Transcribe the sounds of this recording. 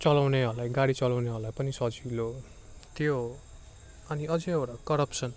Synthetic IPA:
t͡sʌlawneɦʌlajɡaɽit͡sʌlawneɦʌlajpʌnisʌd͡zilo | t̪jo | ʌniʌd͡zeʌwɾakʌɾʌpsʌn

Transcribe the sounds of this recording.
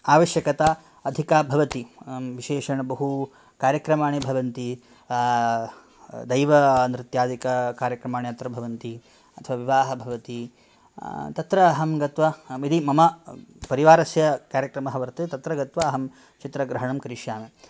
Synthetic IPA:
aːʋɐʃjɐkɐt̪aː | ɐd̪ʱikaːbʱɐʋɐt̪iʋiʃeːʂɐɳɐbɐɦu | kaːɾjɐkɾɐmaːɳebʱɐʋɐnt̪i | d̪ɐjʋɐːnɾɪt̪jaːd̪ikɐkaːɾjɐkɾɐmaːɳeɐt̪ɾɐbʱɐʋɐnt̪i | ɐt̪ʰɐʋaːʋiʋaːɦɐbʱɐʋɐt̪i | t̪ɐt̪ɾɐːɦɐmɡɐt̪ʋɐid̪imɐmɐpɐɾiʋaːɾɐsjɐkaːɾjɐkɾɐmɐɦɐʋɐɾt̪ɐt̪ɐt̪ɾɐɡɐt̪ʋɐːɦɐm | t͡ʃit̪ɾɐɡɾɐɦɐɳɐmkɐɾiʂjaːme

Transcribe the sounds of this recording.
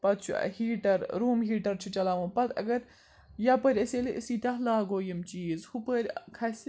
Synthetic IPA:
pɐt̪̚t͡ʃʰṵhiːʈɐɾɾuːmɦiːʈɐɾt͡ʃʰut͡ʃɐlaːʋɐ̃pɐt̪ɐ̰ɡɐɾ | japəɾʲɐseːliʔisiːt̪ʲaɦlaːɡoːjɐmt͡ʃiːzhupəɾʲkʰɐsi

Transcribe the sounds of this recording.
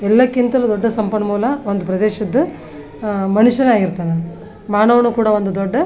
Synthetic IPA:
ɛlːɐkːint̪ɐlud̪ɔɖːɐsɐmpɐɳɐmuːlɐond̪upɾɐd̪eːʃɐd̪ːɐ | mɐnuʃjɐnaːɡiɾt̪aːne | maːnɐʋɐnukuːɽɐʋond̪ud̪ɔɖːɐ

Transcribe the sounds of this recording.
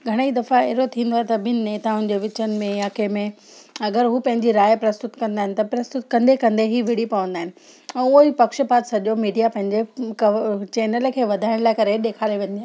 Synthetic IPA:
ɡʱɐɽ̃eid̪ɐfaɛɦɾot̪ʰĩːn̆d̪oaɦet̪ɐbɪnɪneːt̪aɦʊnɪ̆d͡ʑeːʋɪt͡ɕənɪ̆mẽjaːkemẽ | ɐɡəɾɦuːpɐ̃ɦɪ̃ɲd͡ʑiɾaːjpɾɐst̪ʊt̪kɐ̃nd̪aːɦɪnɪ̆t̪ɐpɾɐst̪ʊt̪kɐ̃nd̪ekɐ̃nd̪eɦiʋɪɽ̤ipɐʋə̃nd̪aːɦɪnɪ̆ | ɛ̃ːʊɦipɐkʃəpaːt̪sɐʄomiːɖijapɐ̃ɦɪ̃ɲd͡ʑekɐt͡ɕeːnəlkʰeːʋɐd̪ʱaːɪɽ̃laːɪkɐɾeɗeːkʰaːɾeʋẽːɲd̪iaː

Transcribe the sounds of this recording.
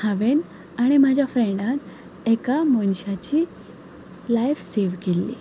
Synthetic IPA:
haʋen | aɽ̃imad͡ʑʱafɾẽɳɖãt̪ | ekamənɕat͡ɕi | lajfseʋkelːḭ

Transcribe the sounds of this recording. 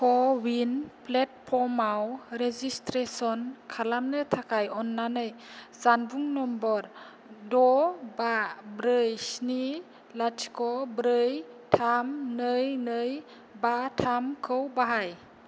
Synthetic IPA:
kʰɔwinplɛt̚pʰɔmawɾezistɾesɔnkʰalamnɯtʰakʰajɔnːanɯjzanbuŋnɔmbɔɾ | dɔbabɾɯjsni | latʰi̥kɔbɾɯjtʰamnɯjnɯj | batʰamkʰɯwbaɦaj

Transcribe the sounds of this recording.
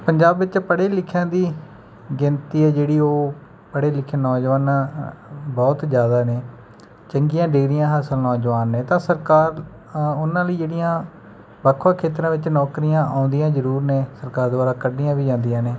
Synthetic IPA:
pəɲd͡ʒaːbʋɪt͡ʃpəɽeːlɪkʰːjãːd̪iː | ɡɪnt̪iːɛːd͡ʒeːɽiːoː | pəɽeːlɪkʰjãːnɔːd͡ʒʋaːna | bɔːt̪zjaːd̪aːneː | t͡ʃəŋɡɪjãːɖɪɡɾɪjãːɦaːsəlnɔːd͡ʒʋaːnːeːt̪ãːsəɾkaːɾ | ʊnãːləiːd͡ʒeːɽɪjãː | bakʰʋãːkʰeːt̪ɾãːʋɪt͡ʃnɔːkɾijãːʔãːʊnd̪ijãːzəɾuːɾneːsəɾkaːɾd̪oaːɾaːkəɖɪjãːʋiːd͡ʒãːnd̪ijãːneː

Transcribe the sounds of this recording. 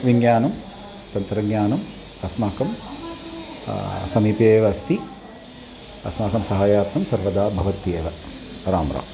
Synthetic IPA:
ʋiŋjaːnɐm | t̪ɐnt̪ɾɐɡɲaːnɐm | ɐsmaːkɐm | sɐmiːpeːʋɐɐst̪i | ɐ̰smaːkɐmsɐɦaːjaːt̪ɐmsɐɾʋɐd̪aːbʱɐʋɐt̪eːʋɐ | ɾaːmɾʔa̰ːm

